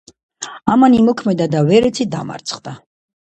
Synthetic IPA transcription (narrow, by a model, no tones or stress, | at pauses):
amanimɔkʰmɛd̪ad̪avɛɾɛt̪sʰid̪a̰ma̰ɾt̪sʰχd̪a